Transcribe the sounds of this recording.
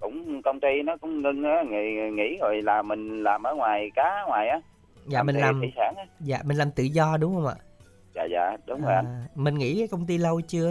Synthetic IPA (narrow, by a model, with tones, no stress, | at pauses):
kʊ̰˧˥ŋ͡mkə˧wŋ͡mt̪i˧nɔ˨˦kʊ̰˧˥ŋ͡mŋə˧ŋʔaː˨˦ŋ˧˩˨ŋḭ˧˥zo˨˩jlaː˨˩mːï˨˩ŋ̟laː˨˩mʔəː˨˦ŋwaː˨˩jkaː˨˦˧ŋwaː˨˩jʔaː˨˦ | zaː˨˩mi̟˨˩laː˧˨˩mḭ˧˦saː˧˩ŋʔa˨˦za̰ː˧˨mi̟˨˩laː˨˩mt̪ɨ̰˧˨zɔ˧ɗʊ˨˦ŋ͡mhə˧wŋ͡mʔa̰ː˧˨ | ja̰ː˧˨za̰ː˧˨ɗʊ˨˦ŋ͡mzo˨ʔmï̟˨˩ŋḭ˧˥kaː˨˦kə˧wŋ͡mt̪i˧lə˧wt͡ɕɨ˧ə